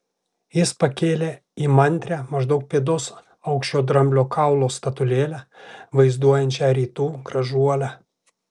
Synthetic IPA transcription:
jɪspɐkʲeːlʲeː | iːmɐnʲt̪ʲɾʲæmɐʒd̪ɐʊk̚pʲeɛd̪os | ɐʊkʃʲt͡ʃʲoːd̪ɾɐmʲbʲlʲoːkɑˑʊlˠoːst̪ɐt̪ʊlʲeːlʲæʋɐɪzd̪uɔjɛnʲt͡ʃʲɛɾʲiːt̪uːɡɾɐʒuɔlʲæ

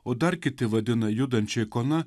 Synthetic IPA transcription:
ʊd̪arkʲɪt̪ɪʋɛd̪ɪnɐjud̪ɐnʲt͡ʃɪjkɔna

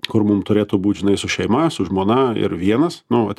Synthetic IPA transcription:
kʊrmʊmt̪ʊɾʲeːt̪oːbuːt̪ʲʒʲɪnɐɪsʊʃʲɛɪmɐsʊʒmoːnɐɪ̰ɾʋʲiɛnɐsnʊɐt̪ʲ

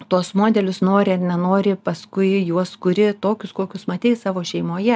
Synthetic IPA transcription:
t̪oɔsmoːd̪ʲɛlʲʊsnoːɾʲɪɐnʲɛnoːɾʲɪpɐskʊɪjuɔskʊɾʲɪt̪oːkʲʊskoːkʲʊsmɐt̪ʲeɪssɑːʋoːʃʲɛɪmoːjɛ

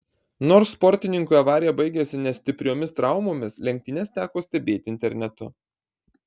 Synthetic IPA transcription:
noːɾssːpɔɾʲt̪ʲɪnʲɪŋkuɐʋɑːɾʲɪjɛbɐɪɡʲesʲɪnʲɛsʲt̪ʲɪpʲɾʲoːmʲɪst̪ɾɑˑʊmoːmʲɪslʲɛŋʲk̚ʲt̪ʲɪnʲɛst̪ʲæːkoːsʲt̪ʲɛbʲeːt̪ʲɪnʲt̪ʲɛɾʲnʲɛt̪ʊ

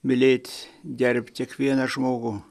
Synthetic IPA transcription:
mʲɪlʲeːt̪ʲd̪ʲæɾʲpʲt̪ʲikʋʲiɛnɑʒmoːɡu

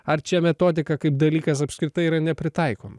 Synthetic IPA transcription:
ɐɾt͡ʃʲɛmʲɛt̪oːd̪ʲɪkɐkɐɪp̚d̪ɐlʲiːkɐs̬ɐpskɾʲɪt̪ɐɪiɾɐnʲɛpʲɾʲɪt̪ɐˑɪkoːmɐ

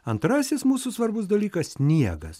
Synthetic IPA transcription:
ɐnt̪ɾɑːsʲɪsmuːsuːsʋɐɾbʊsd̪ɐlʲiːkɐsʲsʲnʲiɛɡɐ̰s

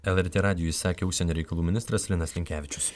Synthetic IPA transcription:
ɛlˠɛɾʲt̪ʲeːɾɑːd̪ʲɪjoisɑːkʲeːʊʃʲsʲɛnʲoːɾʲɛɪkɐlˠuːmʲɪnʲɪst̪ɾɐslʲɪnɐsʲlʲɪŋʲkʲæːʋʲɪt͡ʃʲʊs

